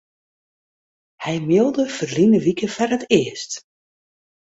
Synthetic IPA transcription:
hɛjmɪlˠdəfərlinəʋikəfarətɪəst

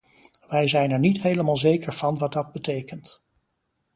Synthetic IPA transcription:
ʋɛjzɛjnɛɹnitɦejləmaːlˠzejkəɹv̥ɑnʋɑd̚dɑd̚bətejkənt

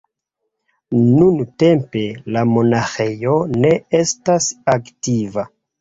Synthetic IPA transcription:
nunte̞mpe̞lamo̞naxejone̞e̞stasaktiva

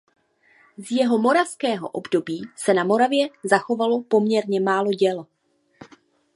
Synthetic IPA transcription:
zjɛɦo̞mo̞ɾafskɛːɦo̞ʔo̞bdo̞biːsɛnamo̞ɾavjɛzaxo̞valo̞po̞mɲɛɾɲɛmaːlo̞ɟɛl

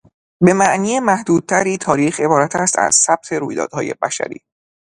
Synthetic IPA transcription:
be̞mæʔniːemæhd̪uːd̪̥̚t̪ʰæɾiːt̪ʰɒːɾiːxe̞bɒːɾæt̪ʰæst̪æ̰z̥sæb̥̚t̪ʰe̞ɾuːjd̪ɒ̰ːd̪hɒːje̞̰bæ̰ʃæ̰ɾḭː

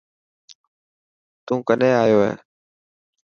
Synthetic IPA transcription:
t̪ũːkəneːaːjoːɦḛː

